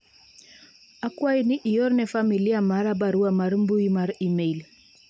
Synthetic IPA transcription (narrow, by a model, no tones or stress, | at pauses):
akwainiʔijɔɾnɛfamiliamaɾabaɾuamaɾmbuimaɾimel